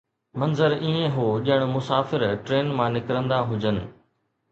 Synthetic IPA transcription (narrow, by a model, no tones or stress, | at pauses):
mɐnzəɾiẽɦoːʄɪɽ̃̆mʊsaːfɪɾʈɾeːnmãːnɪkɾə̃nd̪aɦʊd͡ʑənɪ̆